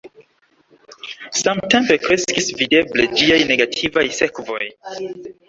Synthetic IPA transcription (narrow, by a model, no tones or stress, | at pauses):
samte̞mpe̞kɾe̞skisvide̞ble̞d͡ʒiajne̞ɡatʰivajse̞kvo̞j